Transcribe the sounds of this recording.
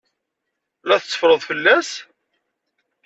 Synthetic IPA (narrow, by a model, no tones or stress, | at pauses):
læθət͡sːə̥fɾˤəðˤfəlːæs